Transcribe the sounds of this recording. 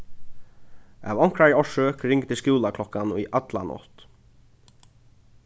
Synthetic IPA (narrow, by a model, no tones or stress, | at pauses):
a̰ːvɔŋ̥kɾaɹɔʂøːkɾɪŋkt̪ɪskuːlakʰlɔkːanṵʔat̪la̰nɔ̰t̪